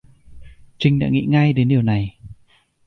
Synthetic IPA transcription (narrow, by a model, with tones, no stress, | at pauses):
t͡ɕï˧ŋ̟ɗa̰ː˧˥ŋḭ˧˥ŋa˧jɗe˨˦nɗi˨˩əwna˨˩j